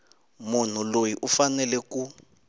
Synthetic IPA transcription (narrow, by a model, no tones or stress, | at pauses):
mun̤ulojiʔufanɛlɛku